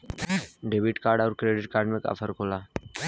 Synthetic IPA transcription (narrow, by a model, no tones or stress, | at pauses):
ɖeːbɪʈkaːɾɖaːɾkɾeːɖɪʈ̚kaːɾɖmẽka̰ːfʰəɾkʰoːlaː